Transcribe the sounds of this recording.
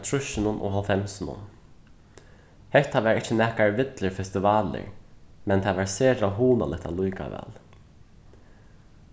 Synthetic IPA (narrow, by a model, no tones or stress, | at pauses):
t̪ʰɹʊʃɪnʊnʔɔ̰ɦɔlfɛmsɪnʊ̰n | hɛht̪ːaʋɛːɾɪt͡ʃːənɛːkaɹʋɪt̪lɪɹfɛst̪ɪvaːlɪ̰ɹmɛnt̪ʰadʋaɹseːɾaɦuːna̰lɪht̪ʰa̰lujka̰ʋɛ̰ːl